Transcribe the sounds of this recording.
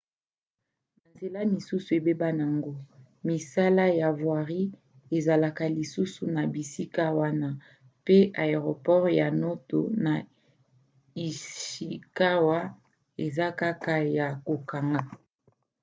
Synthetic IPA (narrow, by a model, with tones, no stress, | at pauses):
na˨nze˨la˦mi˨su˦su˨e˨be˦ba˦na˨ŋɡo˦ | mi˨sa˦la˦ja˨vwa˨ʁi˦ | e˨za˨la˨ka˦li˨su˦su˨na˨bi˨si˦ka˦wa˦na˦ | pe˦a˨e˨ʁo˨pɔ˦ʁja˨no˦to˨na˨ | i˨ʃi˨ka˦wa˦ | e˨za˦ka˦ka˦ja˨ko˨ka˨ŋɡa˦